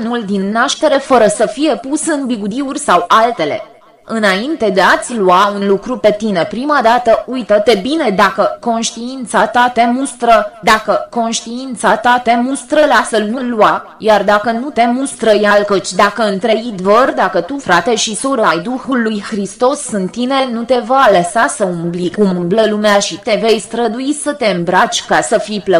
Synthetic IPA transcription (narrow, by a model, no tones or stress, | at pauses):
nuld̪inːaʃt̪e̞ɾe̞fəɾəsəfije̞pusɨnbiɡud̪iurʲsawalt̪e̞le̞̰ | ɨnaint̪e̞d̪e̞at̪sʲluaunlukɾupe̞t̪ine̞pɾimad̪at̪əujt̪ət̪e̞bine̞d̪akəko̞nʃt̪iint̪sat̪at̪e̞must̪ɾəd̪akəko̞nʃt̪iint̪sat̪at̪emust̪ɾəlasəlnulua | jard̪akənut̪e̞must̪ɾəjalkət͡ʃʲd̪akəɨnt̪ɾeid̪vərd̪akət̪ufɾat̪e̞ʃisoɾəajd̪uxulːujxɾist̪o̞sɨnt̪ːinenut̪e̞valəsasəumblikumɨmbləlumeaʃit̪e̞ve̞jst̪ɾəd̪ujisət̪e̞ɨmbɾat͡ʃʲkasəfijplə